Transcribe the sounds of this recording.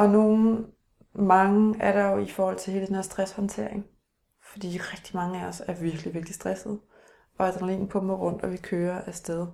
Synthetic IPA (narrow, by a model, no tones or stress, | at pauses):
ʔɒ̽no̝ːn̩ | mɑ̈ŋəæɐɾɑ̈jo̝ifɒːhɒ̽l̰t͡sʰe̝he̝ːləd̥enhæɐsd̥ʁashɒnt͡sʰe̝ɐ̰eŋ | fɒd̥ḭːʁɛɡ̥d̥imɑ̈ŋəæɒsæɐʋiɐɡ̥liʋeɐɡ̥l̥isd̥ʁɛsð̞̩ˠ | ʔɒ̽æɐd̥ʁɑnleŋ̰n̩pʰɔ̽mɐʁɔ̽n̰d̥ɒʋikʰøːɐʔæsd̥eð̞ˠ